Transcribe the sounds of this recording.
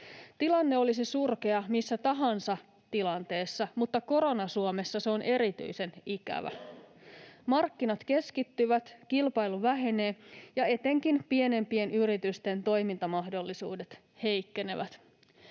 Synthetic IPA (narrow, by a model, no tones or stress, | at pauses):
t̪ilɑnːe̞o̞lisisurke̞ɑmisːæt̪ɑɦɑnsɑ | t̪ilɑnt̪e̞ːsːɑmut̪ːɑko̞ɾo̞nɑsuome̞sːɑseo̞nʔe̞ɾit̪y̰jse̞nikæ̰ʋæ̰ | mɑrkːinɑt̪ke̞skit̪ːyʋæt̪kilpɑjluʋæɦene̞ːjɑe̞t̪e̞ŋk̟inpie̞ne̞mpie̞nyɾit̪yst̪e̞nt̪o̞jmint̪ɑmɑɦdo̞lːisṵːdet̪ | he̞jkːe̞ne̞ʋæt̪